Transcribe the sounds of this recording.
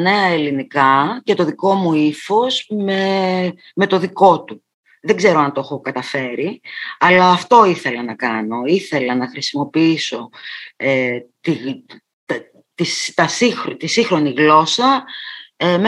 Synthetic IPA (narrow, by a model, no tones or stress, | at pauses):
ne̞ɐe̞linikɐce̞t̪o̞ðiko̞muifo̞zme | me̞t̪o̞ðiko̞t̪u | ðe̞ɡze̞ɾoɐnt̪o̞xokɐt̪ɐfe̞ɾiɐlɐːft̪o̞iθe̞lɐnɐkɐno̞iθe̞lɐnɐxɾisimo̞piiso̞et̪i | t̪ | t̪ist̪ɐsixt̪isixɾo̞niɣlo̞sɐ | me